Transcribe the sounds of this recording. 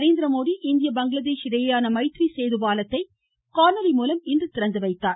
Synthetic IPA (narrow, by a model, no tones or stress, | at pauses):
ɾeːnd̪ɪɾɐmoːðiʔɪnd̪ɪjɐbɐŋɡlɐðeːʃɪɽɐjɐjaːnɐmɐɪt̪ɾisejðɯbaːlɐt̪ːɐɪ | kaːnɐlɪmuːlɐmɪndrɯt̪ɪɾɐnd̪ɯʋɐɪt̪ːaːɾ